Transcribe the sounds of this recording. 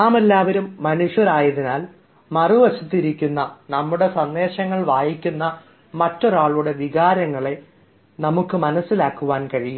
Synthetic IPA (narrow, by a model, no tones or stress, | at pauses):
aːmelːaːʋɐɾumːɐnuʂjɐɾaːjɐðinaːl | mɐruʋɐɕit̪ːiɾikʲːunːɐnɐmːuɽe̞sɐnːe̞ːɕɐŋːɐɭʋaːjikʲːunːɐ | mɐtːoɾaːɭuɽe̞ʋiɣaːɾɐŋːɐɭe̞ | nɐmukːɨmɐnɐsːilaːkːuʋaːnkɐɻijum